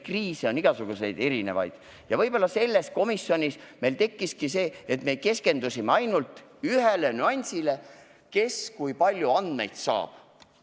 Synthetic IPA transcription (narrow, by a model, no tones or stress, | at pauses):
kriːseo̞niɡ̥ɑsuɡ̥use̞jd̪e̞ɾine̞̰vɑ̰jd̪̥ | jɑvɤjb̥o̞lːɑse̞lːe̞sko̞misːjo̞nʲisme̞jlt̪e̞kːiskise̞ːet̪me̞ke̞ske̞nd̪usimeɑjnult̪ˑyɦele̞nyɑnʲsile̞ | ke̞skujpɑlʲjuɑnd̪̥me̞jt̪sɑ̰ːb̥